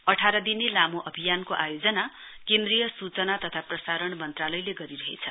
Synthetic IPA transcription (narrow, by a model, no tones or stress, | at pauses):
ʌʈʰaɾʌd̪inelamuʔʌbʱijankoʔajod͡zʌna | kend̪rijʌsut͡sʌnat̪ʌt̪ʰaprʌsaɾʌɳmʌnt̪ralʌjleɡʌɾiɾʌɦḛt͡sʰʌ